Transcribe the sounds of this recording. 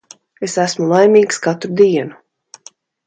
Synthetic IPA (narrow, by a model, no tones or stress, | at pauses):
esæsmulˠajmiːkskat̪ɾud̪iɛnu